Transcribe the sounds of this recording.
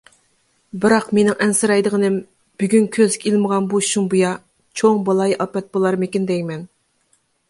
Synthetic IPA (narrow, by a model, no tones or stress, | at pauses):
bɪɾɑqmenɪŋʔɛnsɨɾɑjd̪əʁənɪm | b̥yɡʲynkʲʰøzɪkʲilˠməʁɑnbuʃuŋbujɑ | t͡ʃʰoŋbɑlˠɑjʔɑpɛt̪̚bolˠɑɾmɪkʲind̪ɛjmɛn